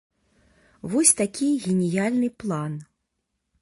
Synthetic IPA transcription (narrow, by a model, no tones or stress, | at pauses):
vɔsʲt̪akʲiɣʲenʲijalʲnɨplˠan